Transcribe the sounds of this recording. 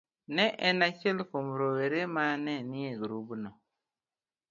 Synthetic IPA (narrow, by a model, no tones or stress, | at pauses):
nɛʔɛnat͡ʃɛlkomɾoweɾemanɛnɪeɡɾubnɔ